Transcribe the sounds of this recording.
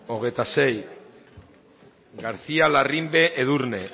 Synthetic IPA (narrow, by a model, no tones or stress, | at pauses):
o̞ɣ̞ejt̪ase̞j | ɣaɾθialarimbe̞ʔeðuɾne̞